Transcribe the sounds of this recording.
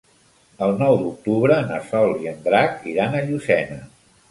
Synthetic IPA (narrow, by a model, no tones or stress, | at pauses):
əlˠnɔwd̪uk̚t̪uβɾənəsɔlˠiənd̪ɾakiɾanəʎusɛnə